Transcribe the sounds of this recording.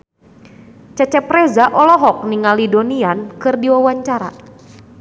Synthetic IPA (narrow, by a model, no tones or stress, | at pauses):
t͡ʃat͡ʃɛpɾɛzaʔɔlɔɦɔk̚niŋalidoniankɨrdiwawaɲt͡ʃaɾa̰